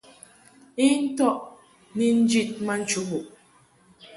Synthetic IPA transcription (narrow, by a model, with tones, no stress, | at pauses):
i˦n̩˦tɔ˦ʔ | ni˦n̩˦d͡ʒi˦t̚ma˦n̩˦t͡ʃu˦ɣu˨ʔ